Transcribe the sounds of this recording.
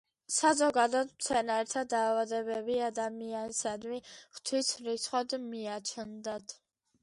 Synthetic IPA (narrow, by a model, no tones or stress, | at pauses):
sazɔɡad̪ɔt̪mt̪sʰɛnaɾɛt̪ʰad̪aːvad̪ɛbɛbiad̪amiansad̪miχt̪ʰwisɾisʰχɔd̪miat͡ʃʰnd̪at̪ʰ